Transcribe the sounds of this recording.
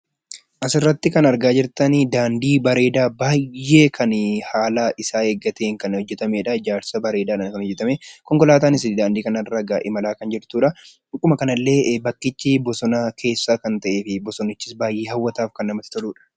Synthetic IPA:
ʔɐsɪrːɐt̪ːɪkɐnɐɾɡaːd͡ʒɪɾt̪ɐnd̪aːnd̪iːbɐɾe̞ːd̪aːbaːjːe̞ːkʰɐnhaːlaːʔɪsaːeːɡːɐt̪eːŋkɐnhɔd͡ʒːɛt̪ɐmeːᶑɐɪd͡ʒaːɾsɐbɐɾe̞ːd̪aːᶑɐnkɐnhɔd͡ʒːɛt̪ɐmekɔŋkɔlaːt̪aːnɪs̬ɪd̪aːnd̪iːkɐnɐrːɐɡaʔɪmɐlaːkɐnd͡ʒɪɾt̪uːᶑɐ | kʼːʊmɐkɐnɐlːe̞ːbɐkːɪt͡ʃːɪbɔsɔnɐkʰe̞ːsːaːkɐnt̪ɐʔe̞ːfɪbɔsɔnːɪt͡ʃːɪsbaːjʔeːhɐwːɐt̪aːfkɐnːɐmɐt̪ɪ̥t̪ɔluːᶑɐ̥

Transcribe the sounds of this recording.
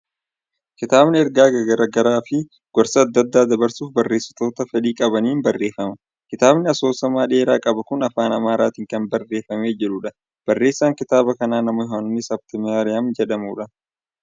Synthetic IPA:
kɪt̪aːbnɪɛɾɡaːɡɐɡɐɾɐɡɐɾaːfɪ | ɡ̥ɔɾsɐːd̪ːɐd̪ːaːd̪ɐbɐɾsuːfbɐrːe̞ːsːɐ̥t̪oːt̪ɐfɛᶑiːkʼɐbɐniːnbɐrːe̞ːfɐmɐ | kɪt̪aːbnɪɐso̞ːsɐmaːᶑe̞ːɾaːkʼɐbɐkʊnɐfaːnɐmaːɾaːt̪iːŋkɐnbɐrːe̞ːfɐme̞ːd͡ʒɛᶑʊᶑɐ | b̥ɐrːeːsːaːŋkɪt̪aːbɐkɐnaːnɐmɔhaːnʊnːɪsɐb̚t̪ɪmɪaːɾɪjamd͡ʒɛᶑɐmṵːᶑɐ

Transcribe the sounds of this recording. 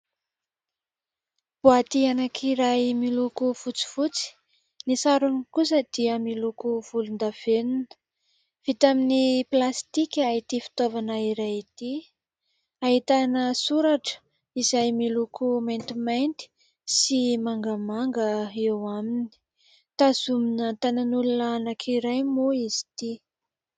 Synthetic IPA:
b̥uat̪ianakʰiɾajmilukufut͡si̥fut͡si̥ | nisaɾunikus̬əd̪̥iəmilukuv̥ulund̪av̥eninə̥ | v̥it̪aminiplast̪ikʲait̪ifi̥t̪ovanaiɾajit̪i | aɦit̪anəsuɾaʈ͡ʂə̥ | izajmilukument̪imajnt̪i̥ | simaŋɡəmaŋɡəewamini̥ | t̪azuminət̪ananulunaanakʰiɾajmoizi̥t̪i

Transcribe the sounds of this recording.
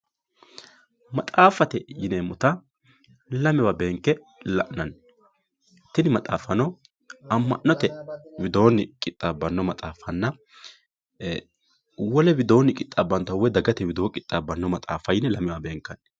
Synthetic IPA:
mɐt̪ʼaːfɐt̪ɛjɪnɛmʊt̪ɐ | lɐmɛwɐbeːŋkːɛ | lɐ̰ʔnɐn | t̪ːɪnɪmɐt̪ʼaːfɐnɔ | ɐmːɐ̰ʔnːɔt̪ɛwɪd̪o̞ːnːɪkʼɪt̪ʼːabːɐnːɔmɐt̪ʼaːfɐnːɐ | wɔlɛwɪd̪o̞ːnːɪkʼɪt̪ʼːaːbːɐnt̪ɐwɛd̪ɐɡɐt̪ɛwɪd̪oːkʼɪt̪ʼːabːɐnːɔmɐt̪ʼa̰ːfɐjɪnɛlɐmɛwɐbe̞ːŋkːɐn

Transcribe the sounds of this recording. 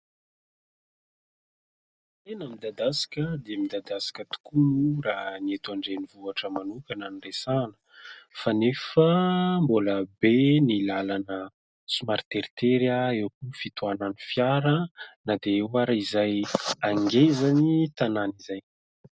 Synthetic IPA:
t̪enəmid̪ad̪asi̥kʲəd̪emid̪ad̪asi̥kʲət̪u̥kunuraniet̪aɳɖ͡ʐenivuaʈ͡ʂəmanukananiɳresanə̥ | fanefəmboləbenilalanə | sumaɾt̪eɾit̪eɾaewkufit̪uananifjaɾənad̪eewaɾaizajaŋɡezanit̪ananizaj

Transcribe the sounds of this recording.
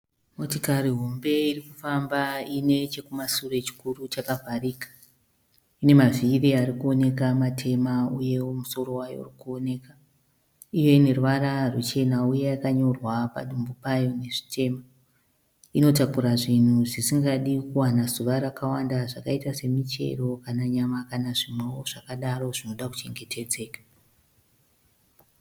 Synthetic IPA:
mo̞tikariɦo̞mbe̞irikufambaine̞t͡ʃekumasure̞t͡ʃi̥kurut͡ʃakavʱariːkḁ | ine̞maviriarikuo̞ne̞kamatʰe̞mauje̞womuso̞ro̞wajo̰rikuone̞ka | ijo̞ine̞ruʋaɾarut͡ʃe̞nauje̞akaɲo̞rwapa̰ɗumbupajo̞ne̞ʐi̥tʰe̞ːma | ino̞takuɾaʐin̤uʐisiŋɡaɗikuwanazuʋaɾakawandaʐakaitase̞mit͡ʃe̞̰rokanaɲamakanaʐimwewoʐ̥akaɗaro̞ʐino̞ɗaku̥t͡ʃe̞ŋɡe̞tʰe̞d͡ze̞ːkḁ

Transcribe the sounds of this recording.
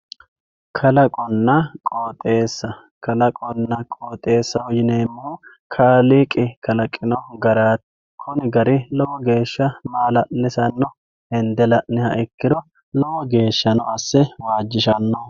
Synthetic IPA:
kʰɐlɐkʼɔnːɐkʼoːt̪ʼe̞ːsːɐ | kʰɐlɐkʼɔnːɐkʼoːt̪ʼːe̞ːsːɐhɔjɪneːmːʊhu | kʰaːliːkʼːɪkʰɐlɐkʼːɪnɔɡɐɾaːt̪ | kʰɔnɪɡɐɾɪlɔwɔɡe̞ːʃːɐmaːlɐʔnɪsɐnːɔ | ɛnd̪ɛlɐʔnɛhɐʔɛkːɪd̪ɔ | lɔwɔɡe̞ːʃːɐnɔɐsːɛwaːd͡ʒːɪʃɐnːɔ

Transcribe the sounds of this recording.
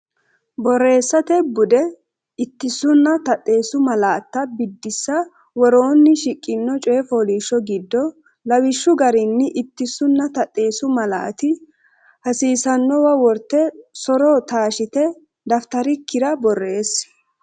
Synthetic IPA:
bɔrːe̞ːsːɐt̪ɛbʊd̪ɛ | ɪt̪ːɪsʊnːɐt̪ɐt̪ʼːe̞ːsʊmɐlaːt̪ːɐbɪd̪ːɪsːɐ | wɔɾo̞ːnːɪʃɪkʼːɪnːɔt͡ʃʼeːfoːliːʃːɔɡɪd̪ːɔ | lɐwɪʃːʊɡɐɾɪnːɪʔɪt̪ːɪsʊnːɐt̪ɐt̪ʼːe̞ːsʊmɐla̰ːt̪ɪ | hɐsiːsɐnːɔwɐwɔɾt̪ːɛsɔɾɔt̪aːʃɪt̪ɛ | d̪ɐft̪ɐɾɪkːɪd̪ɐbɔrːe̞ːs

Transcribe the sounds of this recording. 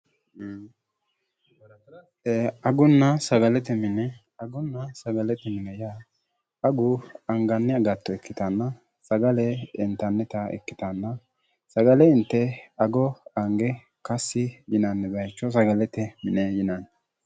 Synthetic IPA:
ɐɡʊnːɐsɐɡɐlɛt̪ɛmɪnɛ | ɐɡʊnːɐsɐɡɐlɛt̪ɛmɪnɛja | ɐɡʊɐŋɡɐnːɪɐɡɐt̪ːɔɛkːɪt̪ɐnːɐ | sɐɡɐlɛɪ̰nt̪ɐnːɛt̪ɐɛ̰kːɪ̥t̪ɐnːɐ | sɐɡɐlɛɪnt̪ːɛɐɡɔɐŋɡɛ | kɐsːɪjɪnɐnːɛbɐjt͡ʃːɔs̬ɐɡɐlɛt̪ɛmɪnɛjɪnanːɛ

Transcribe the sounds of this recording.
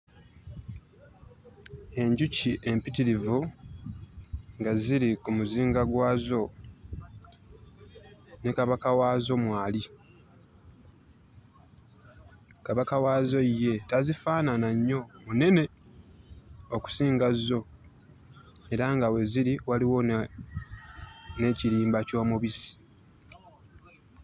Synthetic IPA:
e̞ɲɟuciʔe̞mpitiɾivu | ŋɡaziɾikumuziːŋɡaɡwaːzo̞ | ne̞kaβakawazo̞mwaːli | kaβakawaːzo̞ije̞tazifaːnanaɲːo̞mune̞ne̞ | oku̥siːŋɡazːo̞ | e̞ɾaŋɡawe̞ziɾiwaliwo̞ | ne̞ciɾiːmbaco̞ːmuβisi̥

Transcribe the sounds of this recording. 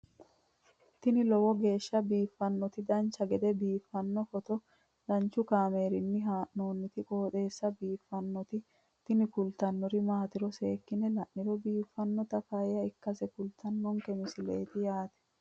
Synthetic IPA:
t̪ːɪnɪlɔwɔɡe̞ːʃːɐbiːfːɐnːɔt̪ɪd̪ɐnt͡ʃːɐɡɛd̪ɛbiːfːɐnːɔfɔt̪ɔ | ɾɐnt͡ʃːʊkaːme̞ːɾɪnːɪɦaːʔnoːnːɪt̪ɪkʼoːt̪e̞ːsːɐbiːfːɐnːɔt̪ɪ | t̪ɪnɪkʊlt̪ɐnːɔɾɪmaːt̪ɪɾɔse̞ːkːɪnɛlɐʔːɪɾɔbiːfːɐnːɔt̪ɐfɐjɐɪkːɐsɛkʊlt̪ɐnːɔŋkɛmɪsɪlḛːt̪ɪjaːt̪ɛ̥

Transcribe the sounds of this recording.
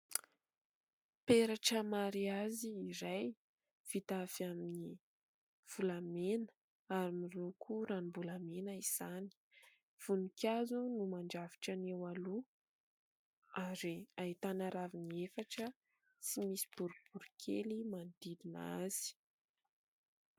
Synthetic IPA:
peɾaʈ͡ʂəmaɾiaziːɾaj | v̥it̪afamini | v̥ulamenə̥ | aɾimilukʰuɾanimbulamenəiz̥ani̥ | v̥unikʲʰazunumaɳɖ͡ʐavi̥ʈ͡ʂanewalu | aɾiait̪anaɾaviniefaʈ͡ʂə | t͡simisi̥b̥uɾub̥uɾikʰelimand̪id̪ina̰z̥i̥

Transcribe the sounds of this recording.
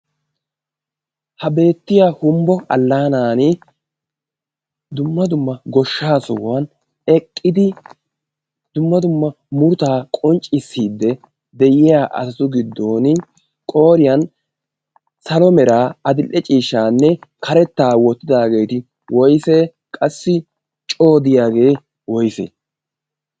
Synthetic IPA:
hɐbe̞ːt̪ːɪjahʊmbɔɐ̰lːaːnaːnɪ | d̪ʊmːɐd̪ʊmːɐɡɔʃːaːsɔwɐn | ɛkʼːɪd̪ɪ | d̪̥ʊmːɐd̪ʊmːɐ | mʊɾʊt̪aːkʼɔnt͡ʃʼːɪsːiːd̪ːɛ | d̪ɛjɪjaːʔɐ̰sɐt̪ʊɡɪd̪ːo̞ːnɪ | kʼo̞ːɾɪjɐn | sɐlɔmɛɾaːɐd̪ɪlʔːɛt͡ʃʼiːʃːaːnːɛkʰɐɾɛt̪ːaːwɔt̪ːɪd̪aːɡe̞ːt̪ɪ | wɔjseː | kʼɐsːɪ | t͡ʃʼo̞ːd̪ɪjaːɡe̞ː | wɔjsḛː

